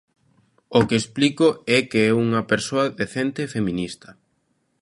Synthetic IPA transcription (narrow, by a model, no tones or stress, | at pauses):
okeesplikʊɛkeɛuŋɐpeɾsoɐðeθɛnt̪efemĩnist̪ɐ